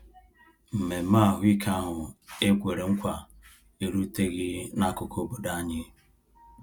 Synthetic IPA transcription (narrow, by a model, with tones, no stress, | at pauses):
m̩˨me˨˦ma˦˨ɦʊ˦i˦kʰa˦ɦʊ˨e˦kʷe˨ɾe˨ŋ̩˦kʷa˨ | e˨ɾu˦te˦ɣɪ˦na˦˨kʊ˨kʰo˦bo˨da˦ɲɪ˦